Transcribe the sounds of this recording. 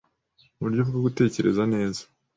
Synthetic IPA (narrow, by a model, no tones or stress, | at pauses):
βuɾɟovuɡaɡute̞ːce̞ɾe̞zane̞ːzḁ